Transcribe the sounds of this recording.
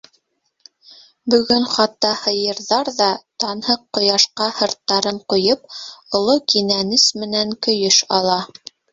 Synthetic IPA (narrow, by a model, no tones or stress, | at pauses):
bɵ̆ɡɵɴχɑt̪ːɑhɤ̆jɤ̆ɾðɑɾðɑt̪ɑnhɤqːŏjɑʃqɑhɤ̆ɾt̪ːɑɾɤɴqŏjɤp̚ŏlˠokinænɘsmɘ̆næŋkɵ̆jɵʃɑlˠɑ